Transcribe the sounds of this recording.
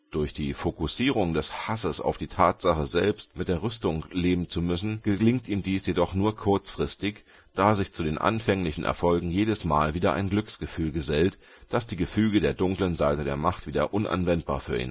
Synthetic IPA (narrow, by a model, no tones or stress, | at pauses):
d̥ʊɐçd̥iːfokusiːʁ̞ʊŋdɛshasəsa̰ʊfd̥iːtʰaːtz̥aχəzɛlpstmɪt̚d̥eːɐʁʏstʊŋleːbm̩t͡sumʏsn̩ɡ̥əlɪŋtʔiːmdiːsjedɔχnuːɐkʰʊɐt͡sfʁ̥ɪstɪç | d̥aːzɪçt͡sudeːnʔa̰nfɛŋlɪçn̩ʔɛ̰ɐfɔlɡŋ̩jeːdəsma̰ːlviːdɐʔa̰ɪnɡlʏksɡ̥əfyːlɡəzɛlt | d̥asd̥iːɡəfyːɡədeːɐdʊŋklənzaɪtədḛːɐmaχtv̥iːdɐʔʊnʔa̰nvɛnt̚b̥a̰ːɐfyːɐʔḭːn